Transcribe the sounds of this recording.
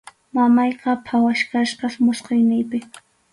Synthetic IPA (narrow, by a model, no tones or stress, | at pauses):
mamɑjqɑpʰawaʃkaʃkɑχmʊsqejnɪjpɪ